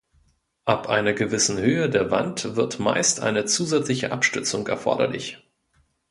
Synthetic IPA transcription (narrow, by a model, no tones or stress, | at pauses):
ʔapʔaɪnɐɡəvɪsn̩høːədeːɐva̰ntv̥ɪɐtma̰ɪstʔa̰ɪnət͡suːzɛt͡slɪçə̰ʔapʃtʏɐt͡sʊŋɛ̰ɐfɔ̰ɐdɐ̰lɪ̰ç